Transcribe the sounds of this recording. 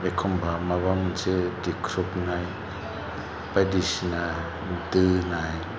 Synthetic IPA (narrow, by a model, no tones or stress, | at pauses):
ekʰɔmbamabamnsʰɯdikʰɾuknaj | padisna | tɯnaj